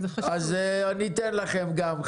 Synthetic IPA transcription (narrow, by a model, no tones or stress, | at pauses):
azanit̪enlaχemɡam